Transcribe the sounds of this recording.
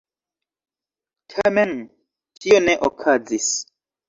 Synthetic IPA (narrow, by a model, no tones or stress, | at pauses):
tʰamen | tʰioneʔokʰazis